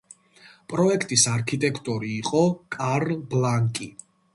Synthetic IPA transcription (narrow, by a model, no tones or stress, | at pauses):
pʼɾɔɛkʰt̪ʼisaɾkʰit̪ʼɛkʰt̪ʼuɾiːqʼɔkʼaɾlblaŋkʼi